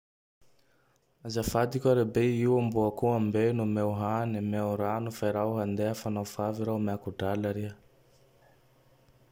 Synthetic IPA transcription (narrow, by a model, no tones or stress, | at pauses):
azafad̪ikʲaɾebeiwambuakuambenumewɦanimewɾanufaiɾawɦand̪eafanawfaviɾawmakuɖ͡ʐalaɾiə